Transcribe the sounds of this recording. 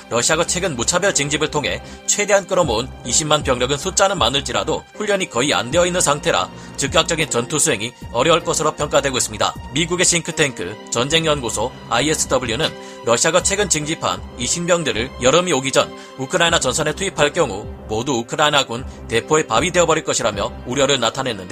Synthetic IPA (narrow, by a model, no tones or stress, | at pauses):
ɾʌɕʰiaɡat͡ɕʰwe̞ɡɯnmut͡ɕʰabjʌɭt͡ɕɯŋd͡ʑibɯɭtʰoŋɦe̞̰ | t͡ɕʰwe̞de̞ɦank͈ɯɾʌmouniɕʰimːanpjʌŋɲjʌɡɯnsʰut͡ɕ͈anɯnmanɯɭt͡ɕ͈iɾa̰doɸuʎːʌɲikʌia̰ndeʌinːɯnsʰaŋtʰe̞ɾa̰ | t͡ɕɯk̚k͈ak̚t͡ɕ͈ʌɡint͡ɕʌntʰosʰuɦe̞ŋiʌɾjʌɭk͈ʌsʰɯɾopʰjʌŋk͈adwe̞ɡois͈ɯmɲida̰miɡuɡe̞ɕ͈iŋkʰɯ̥tʰeŋkʰɯ̰t͡ɕʌnd͡ʑe̞ŋjʌnɡosʰo | aies͈ɯ̥dʌbuɭjunɯn | ɾʌɕʰiaɡat͡ɕʰwe̞ɡɯnt͡ɕɯŋd͡ʑipʰa̰niɕʰimmjʌŋdɯɾɯɭjʌɾɯmioɡid͡ʑʌn | ukʰɯɾainat͡ɕʌnsʰʌne̞tʰuipʰaɭk͈jʌŋumoduukʰɯɾainaɡunte̞pʰoe̞pabide̞ʌbʌɾiɭk͈ʌɕʰiɾamjʌuɾjʌɾɯɭnatʰane̞nːɯnde